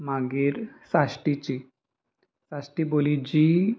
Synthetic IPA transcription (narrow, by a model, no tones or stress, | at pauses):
maɡiːɾsasʈit͡ɕi | sasʈibolid͡ʑi